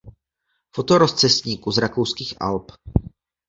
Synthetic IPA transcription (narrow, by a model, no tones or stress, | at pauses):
fo̞t̪oɾo̞st͡sɛsɲiːkuzɾakowskiːxʔa̰lp